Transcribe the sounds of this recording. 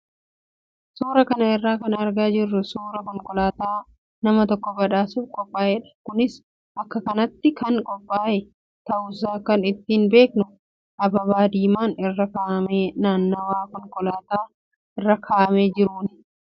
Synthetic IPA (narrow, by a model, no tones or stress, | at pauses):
suːɾɐkɐnɐɪrːaːkɐnɐɾɡaːd͡ʒɪrːʊsuːɾɐkɔŋkʼɔlaːt̪aː | nɐmɐt̪ɔkːɔbɐᶑaːsuːfkʼɔpʼːaːjɛᶑɐ̥kʊnɪs | ʔɐkːɐkɐnɐt̪ːɪkɐnkʼɔpʼːaːʔɛ | t̪ɐʔʊs̬aːkɐnɪt̪ːiːnbe̞ːknʊ | ʔɐbɐbaːd̪iːmaːnɪrːɐkaːʔmeːnaːnːoːwaːkɔŋkʼɔlaːt̪aː | ɪrːɐkʰaːʔmeːd͡ʒɪɾuːnɪ